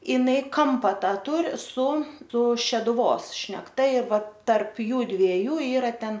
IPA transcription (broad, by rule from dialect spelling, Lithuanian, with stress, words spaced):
ɪˈnɐɪ ˈkɐmpɐ ˈtɑː ˈtuːrʲɪ sʊ sʊ ʃʲɛdʊˈʋoːs ʃʲnʲɛkˈtɐ ɪr ˈʋɐt tɐrp ˈjuːdʲʋʲiɛjuː ˈiːrɐ ˈtʲɛn